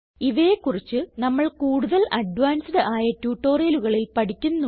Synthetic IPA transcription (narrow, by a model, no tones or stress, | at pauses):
iʋeːkːurit͡ɕːɨnɐmːɐɭkuːɽuðɐlʔɐɖʋaːnsiɖɨʔaːjɐtjuːʈːo̞ːrijɐluɣɐɭilpɐʈikʲːunːu